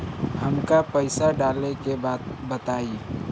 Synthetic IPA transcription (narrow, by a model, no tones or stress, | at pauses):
həmkapəɪsaɖaːlekebaːd̪̚bət̪aːi